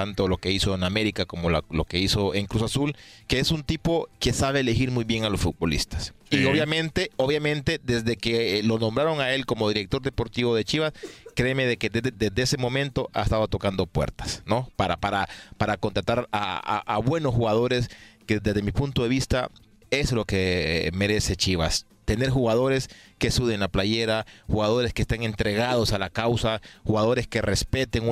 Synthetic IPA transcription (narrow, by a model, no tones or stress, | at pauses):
t̪ant̪olo̞ke̞iso̞ename̞ɾikako̞molalo̞ke̞iso̞eŋkɾusasulke̞esunt̪ipo̞ke̞saβe̞ːlexiɾmujβje̞ŋalo̞sfut̪̚bo̞lḭst̪ḁsioβjamẽ̞nt̪e̞o̞βjamẽ̞nt̪e̞d̪e̞zðe̞kelo̞nõ̞mbɾaɾo̞ŋae̞lko̞mo̞ðiɾek̚t̪o̞ɾðe̞po̞ɾt̪iβo̞ðe̞t͡ʃiβaskɾe̞me̞ðe̞ked̪e̞zd̪eese̞mõ̞mẽ̞nt̪o̞ʔa̰est̪aðot̪o̞kand̪o̞pwe̞̰ɾt̪ḁsno̞paɾapaɾapaɾako̞nt̪ɾat̪aɾa̰a̰aβwe̞nosxuɣaðo̞ɾe̞skeðd̪ezðemipunt̪o̞ðe̞βist̪a̰ | e̞slo̞ke̞me̞ɾe̞se̞t͡ʃiβa̰s | t̪e̞ne̞ɾxuɣað̞o̞ɾe̞ske̞suðeŋlaplaʝe̞ɾaxuɣaðo̞ɾe̞skest̪eŋe̞nt̪ɾe̞ɣaðo̞salakawsaxuɣaðo̞ɾe̞ske̞re̞spe̞t̪eŋu